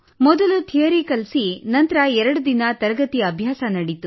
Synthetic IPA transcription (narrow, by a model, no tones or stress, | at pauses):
mɔd̪ɐlut̪ʰiɐɾikɐlsinɐnt̪ɐɾɐɛɾɐɽud̪inɐt̪ɐɾɐɡɐt̪iɐbʱjaːsɐnɐɽit̪u